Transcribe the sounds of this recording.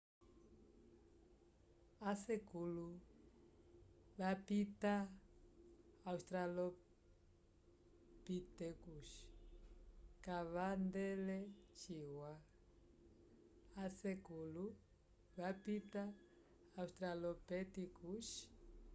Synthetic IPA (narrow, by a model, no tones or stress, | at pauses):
asɛkulu | βapita | ust̪ɾalɔ | pitɛkuʃi̥ | kaβandɛlɛt͡ʃiwa | asɛkulu | βapitaː | ustɾalɔpɛtikuʃ